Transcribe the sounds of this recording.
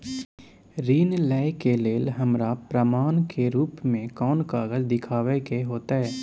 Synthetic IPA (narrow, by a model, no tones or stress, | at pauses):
ɾiːnlɛːɪkeleːlɦɐmɾapɾəmaːnkʰeɾuːpmẽkɔːnkaːɡəzd̪ɪkʰaːʋekeɦoːt̪aɦɛː